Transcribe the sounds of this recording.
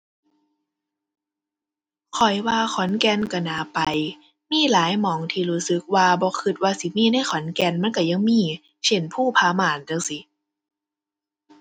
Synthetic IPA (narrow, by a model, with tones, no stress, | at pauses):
kʰɔ˨˩jwaː˧xʰɔ˨˦nkɛ˧nka˧˩naː˨˦pa˨j | miː˧˥˨laː˨˦jmɔː˨˦ŋt̪ʰiː˧ɾuː˧˦˥sɯ˨˧˦k̚waː˧bɔː˧˦kʰɯ˧t̪̚waː˧si˨˦miː˧˥˨na˧˥˩jxʰɔ˨˦nkɛ˧nma˧˥˨nka˧˩ja˧ŋmiː˧˥˨ | se˧˩npʰuː˥˩pʰaː˧˦maː˨˩nta˧˩ŋsi˧˦